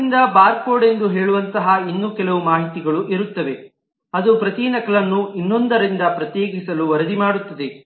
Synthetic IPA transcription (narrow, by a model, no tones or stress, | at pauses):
nd̪ɐbaːɾpoːɽe̞nd̪uɦeːɭuʋɐnt̪ɐɦɐinːuːkɛlɐʋumaːɦit̪iɡɐɭuʔiɾut̪ːɐʋe̞ | ɐd̪upɾɐt̪inɐkɐɭɐnːuʔinːond̪ɐɾind̪ɐpɾɐt̪jeːɡisɐluʋɐɾɐd̪imaːɽut̪ːɐd̪e